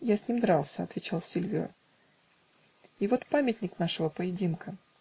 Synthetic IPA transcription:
jasʲnʲimd̪ɾalˠsʲəɐt̪vʲɪt͡ɕalˠsʲɪlʲvʲɪo̰ | ivo̞t̪pamʲɪtʲnʲɪknaʂɨvəpəjɪdʲinkə

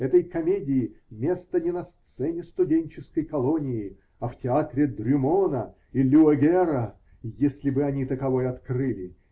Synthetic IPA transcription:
ɛt̪əjkɐmʲedʲɪɪmʲest̪ənʲɪnɐst̪sɛnʲɪst̪ʊdʲenʲt͡ɕɪskəjkɐlˠonʲɪɪ | ɐftʲɪat̪ɾʲɪd̪ɾʲʊmonə | ilʲʊɐɡʲɛɾə | jesʲlʲɪbɨɐnʲit̪əkɐvo̞jɐt̪krɨlʲɪ

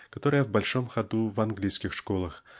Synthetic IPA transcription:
kɐt̪oɾəjəvbɐlʲʂomxɐd̪uvɐnɡlʲijskʲɪxʂkolˠɐx

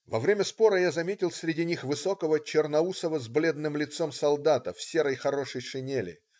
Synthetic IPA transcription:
vɐvɾʲemʲəspo̞ɾəjazɐmʲetʲɪlˠsʲɾʲɪdʲinʲixvɨso̞kəvət͡ɕɪrnɐusəvəzblʲe̞d̪nɨmlʲɪt̪so̞msɐlˠd̪at̪əfsʲeɾəjxɐɾo̞ʂəjʂɨnʲelʲɪ̰

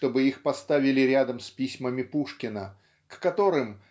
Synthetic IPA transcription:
t̪o̞bɨixpɐst̪avʲɪlʲɪɾʲad̪əmspʲisʲməmʲɪpuʂkʲɪnə | kːɐt̪o̞ɾɨm

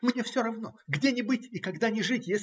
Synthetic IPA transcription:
mnʲe̞fsʲoɾɐvno̞ɡdʲenʲɪbɨtʲikɐɡd̪anʲɪʐɨtʲjesʲ

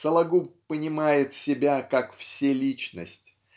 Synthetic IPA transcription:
səlˠɐɡupənʲɪmajɪt̪sʲɪbʲakakfsʲelʲit͡ɕnə̰sʲtʲ

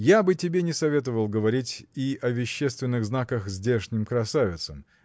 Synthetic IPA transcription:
jabɨtʲɪbʲenʲɪsɐvʲe̞t̪əvəlˠɡəvɐɾʲitʲiɐvʲɪɕːest̪vʲɪnːɨɣznakəxzʲdʲeʂnʲɪmkɾɐsavʲɪt̪səm

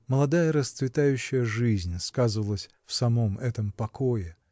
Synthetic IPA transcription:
məlˠɐd̪ajəɾəst̪svʲɪt̪ajʉɕːɪjəʐɨzʲnʲskazɨvəlˠəsʲ | fsɐmo̞mɛt̪əmpɐkojɪ

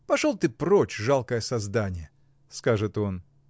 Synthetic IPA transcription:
pɐʂolˠt̪ɨpɾot͡ɕʐalˠkəjəsɐzd̪anʲɪjə | skaʐɨt̪o̞n

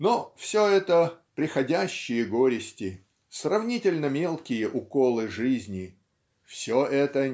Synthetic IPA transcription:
nofsʲoɛt̪əpɾʲɪxɐdʲæɕːɪjəɡo̞ɾʲɪsʲtʲɪ | srɐvnʲitʲɪlʲnəmʲe̞lˠkʲɪjəʔʊkolˠɨʐɨzʲnʲɪ | fsʲoʔɛt̪ə

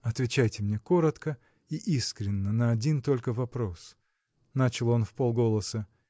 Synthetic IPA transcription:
ɐt̪vʲɪt͡ɕæjtʲɪmnʲe̞ko̞ɾət̪kə | iʔiskɾʲɪnːənəɐdʲint̪o̞lʲkəvɐpɾo̞s | nat͡ɕɪlˠo̞nfpo̞lˠɡo̞lˠəsə

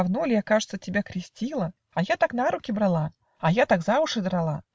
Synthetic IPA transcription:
vnulʲɪjakaʐɨt̪sətʲɪbʲakɾʲɪsʲtʲilˠə | ɐjat̪aknaɾukʲɪbɾalˠa | ɐjat̪aɡzavʊʂɨd̪ɾalˠa

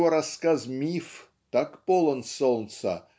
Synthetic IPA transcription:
oɾɐskazmʲif | t̪akpolˠənsolˠnsɐ̰

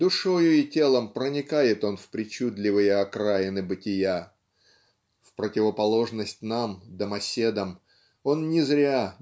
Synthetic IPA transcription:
d̪ʊʂo̞jʊɪtʲe̞lˠəmpɾənʲɪkajɪt̪o̞nfpɾʲɪt͡ɕud̪lʲɪvɨjəɐkɾajɪnɨbɨtʲɪja | fpɾətʲɪvəpɐlˠo̞ʐnəsʲtʲnamd̪əmɐsʲe̞d̪əm | o̞nnʲɪzɾʲa

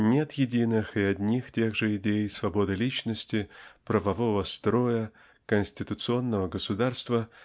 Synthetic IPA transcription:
nʲe̞t̪jɪdʲinɨxɪɐdʲnʲixtʲe̞ɣʐɨɪdʲejsvɐbo̞d̪ɨlʲit͡ɕnəsʲtʲɪpɾəvɐvo̞vəst̪ɾo̞jə | kənʲsʲtʲɪt̪ʊt̪sɨo̞nːəvəɡəsʊd̪arst̪və

